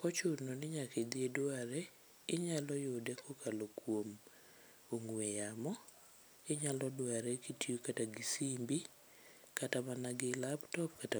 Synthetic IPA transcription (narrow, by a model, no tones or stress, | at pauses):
kɔt͡ʃʊnonɪɲaked̪ɪedwaɾɛ | ɪɲalɔjodɛkʰɔkʰalokwom | oŋwejamɔ | ɪɲalɔdwaɾɛkitiokataɡisimbi | katamanaɡɪlabtɔpkata